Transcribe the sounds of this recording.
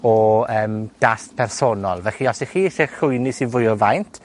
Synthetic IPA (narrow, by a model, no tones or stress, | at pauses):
ɔəːmd̥astpʰɛrsɔnɔlˠvɛɬiɔsiχiːɬeɬʊjnɪsivʊjɔvajntʰ